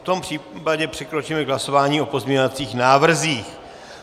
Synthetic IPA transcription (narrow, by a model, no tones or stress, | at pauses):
ft̪o̞mpr̝̥iːpaɟɛpr̥ɛkɾot͡ʃiːmɛɡɦlaso̞vaːɲiːʔopo̞zmʲɲɲovat͡siːxnaːvr̩ziːx